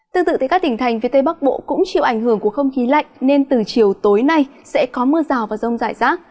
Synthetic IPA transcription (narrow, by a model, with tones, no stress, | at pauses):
t̪ɨ˧ŋt̪ɨ̰˧˨t̪a˧˩kaː˦˥kt̪ï˧˩ŋ̟t̪ʰa˨˩jŋ̟vi˧ət̪e˧ɓa˦˥k̚ɓo̰˧˨kʊ̰˧˥ŋ͡mt͡ɕḭ˧˨əwʔa˧˩jŋ̟hɨ˧˩əŋku˧˩əxə˧wŋ͡mxi˨˦la̰˧˨jŋne˧nt̪ɨ˨˩t͡ɕi˨˩əwt̪o˨˦jna˧jsɛ̰˧˥kɔ˨˦mɨ˧əzaː˨˩wvaː˨˩zə˧wŋ͡mzaː˧˩jzaː˦˥k̚